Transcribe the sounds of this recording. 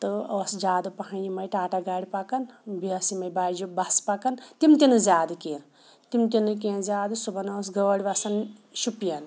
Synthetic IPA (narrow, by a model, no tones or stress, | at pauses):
t̪ɨoːsd͡ʒaːd̪ɨpɐɦɐnjimɐjʈaːʈaɡaːɽipɐkɐnbiɐsimɐjbaːd͡ʒubɐspɐkɐnt̪imt̪inɨzʲaːd̪ɨkeːn | t̪imt̪inɨkẽːnzaːd̪ɨsubɐnoːs̬ɡɐʋɐɽʲibɐsɐn | ʃupijɐn